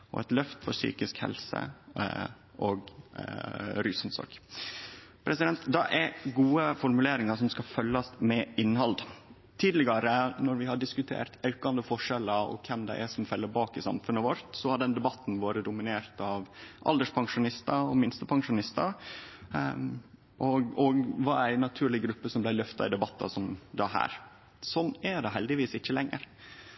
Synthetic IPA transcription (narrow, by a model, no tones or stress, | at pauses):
ɔ̰ɛ̰t̪lœft̪fɔɾsy̰ːkɪskhɛ̰lsə̰ | ʔɔɡ | ɾyːsnsɔ̰ɾɡ | pʰɾɛsɪd̪ɛnt̪d̪ɑʔɛɾɡuːəfɔɾmʉleːɾɪŋɑʂɔmskɑfœlːɑsmɛɪnːhɑld̪ | t̪ʰiːd̪lɪɡɑɾənɔɾʋɪhɑɖɪskʉt̪ʰḛːɾt̪ɑʉkɑnd̪əfɔʂɛləɔ̰kʰɛmd̪ɛ̰ʔæsɔmfɛlːəɾbɑːkɪsɑ̰mfʉnːəʋɔɾt̪sɔhɑɖ̪ɛnd̪ɛbɑt̪ːn̩ʋoːɾəd̪ʊmɪneːɾt̪ɑʋʔɑ̰ld̪əʂpʰɑŋʂʊnɪst̪ɑɔmɪnst̪əpʰɑŋʂʊnɪst̪ɑ | ʔɔɡɔɡʋɑɾæɪnːɑt̪ʰʉːɭɪɡɾʉpːəsɔmblæɪlœft̪ɑ̰ɪd̪ɛbɑt̪ʰːɑ̰sɔmd̪ɑɦæ̰ːɾ | sɔnːɛɖɛɦɛld̪ɪʋiːsɪçːəlɛŋːə̰ɾ